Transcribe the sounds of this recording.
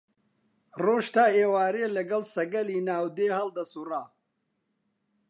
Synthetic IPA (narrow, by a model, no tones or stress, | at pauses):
roːʃt̪aːeːwaːɾeːlɐɡɐlsɐɡɐliːnaːwd̪eːhɐld̪ɐsuraː